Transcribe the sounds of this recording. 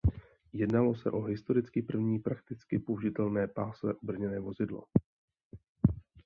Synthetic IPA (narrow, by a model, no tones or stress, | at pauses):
jɛdnalo̞sɛ̰ʔo̞ɦɪst̪o̞ɾɪt͡skɪpr̩vɲiːpɾak̚t̪ɪt͡skɪpoʒɪt̪ɛlnɛːpaːslɛ̰ʔubr̩ɲɛnɛːvo̞zɪdlo̞̰